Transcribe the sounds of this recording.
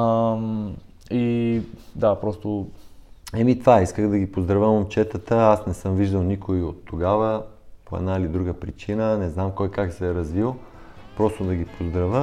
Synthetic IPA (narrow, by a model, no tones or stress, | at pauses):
i | d̪apɾɔst̪o | ɛmit̪vaiskəɣd̪ɐɡipozd̪ɾɐvəmomt͡ʃɛt̪ət̪əasnɛsɤmviʒd̪ɐlˠnikʰoiot̪ːoɡavə | poɛ̰d̪nailid̪ɾuɡəpɾit͡ʃinənɛznamkojkaksɛɾɐzvilˠ | pɾɔst̪od̪ɐɡipʰozd̪ɾɐvə